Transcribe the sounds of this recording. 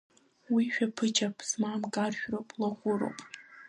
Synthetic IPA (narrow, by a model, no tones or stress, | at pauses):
wiʃᶣapʰɨt͡ʃʰʼapʰsmamkʼarʃᶣropʼlaχʷʊɾo̰wpʼ